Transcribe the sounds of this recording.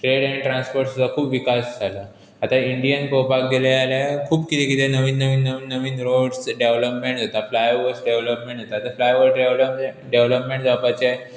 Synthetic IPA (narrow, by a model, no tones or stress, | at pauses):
ʈɾeɽaɽ̃iʈɾãnspoɾʈst̪akʰuːpʋikasd͡zʱalaː | t̪aiɳɖijənpɾopak̚ɡelaaljakʰuːpkit̪ʰekit̪ʰenəʋiːnːəʋiːnːəʋiːnːəʋiːnɾoɽsɖeʋləpmẽɳʈd͡zʱat̪aflajʋəɾsɖeʋləpmẽɳʈd͡zʱat̪aːt̪aflajʋəsɖelə | ɖeʋləpmẽɳʈd͡zʱapat͡ɕa